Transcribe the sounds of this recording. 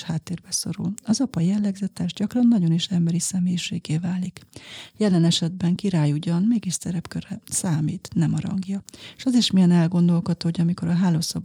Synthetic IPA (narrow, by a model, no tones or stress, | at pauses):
haːt̪ːeːrbɛso̞̰ɾṵlɒzɒpɒjɛlːɛɡzɛt̪ɛʒɟɒkrɒnːɒɟo̞niʃɛmbɛɾisɛmeːjiʃeːɡeːvaːlikjɛlɛnɛʃɛd̪bɛŋkiɾaːjuɟɒnmeːɡiʃsɛɾɛpkørɛsaːmiːt̪nɛmɒɾɒ̰ŋɡjɒʃɒziʃmijɛnɛlɡo̞nd̪o̞lkot̪oːoɟɒmiko̞ɾɒɦaːloːsɒb